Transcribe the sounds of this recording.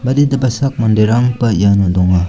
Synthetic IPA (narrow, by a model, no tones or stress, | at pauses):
mɐɾidɐbɐsak̚mɐndeɾaŋpɐjanɔdɔŋa